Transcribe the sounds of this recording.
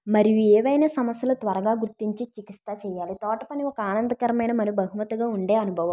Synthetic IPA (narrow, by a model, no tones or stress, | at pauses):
mɐɾijuɛːʋɐjnɐːsɐmɐsjɐlut̪ʋɐɾɐɡaːɡuɾt̪ːiɲt͡ʃit͡ʃikist̪aːt͡ʃɛːjaːlit̪ɔːʈɐpɐniɔkɐaːnɐnd̪ɐkɐɾɐmɐjnɐmɐɾijubɐɦumɐt̪uɡaːuɳɖeːɐnubʱɐʋɐm